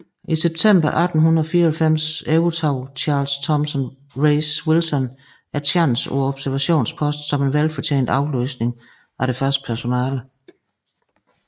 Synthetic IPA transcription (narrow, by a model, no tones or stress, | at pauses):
iseb̥̚t͡sʰem̰b̥ɐʔæd̥n̩ɦunɐðˠɒfiːɐɒælfem̰seʊt͡sʰɑ̈ʊt͡ɕʰɑ̈ːlst͡sʰɒ̽msɔn | ʁeɪswilsɒ̽n | æɐt͡sʰɑnn̩sṵɒ̽b̥sæɐʋæɕo̝̰ːnspʰɒ̽sd̥sɒ̽me̝nʋelfɒ̽t͡ɕʰḛːnd̥ɑ̈ʊly̰ːsne̝ŋ | æɐɾ̥e̝fɶɐsd̥̚pʰæɐso̝nɛ̰ːlə